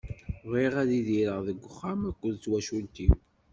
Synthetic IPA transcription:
ʁiʁæðiðiɾəʁðəɡʷːəχːamækʷːəðt͡sːwæʃult̪i

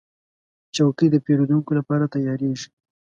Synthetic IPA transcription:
t͡ʃawkəjd̪əpeɾod̪uŋkolapɑɾat̪ajɑɾeʒi̥

